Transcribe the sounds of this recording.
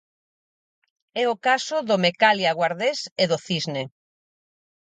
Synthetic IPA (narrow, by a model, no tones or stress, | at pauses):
ɛokasoðomekaljaɣwaɾðeseðoθizne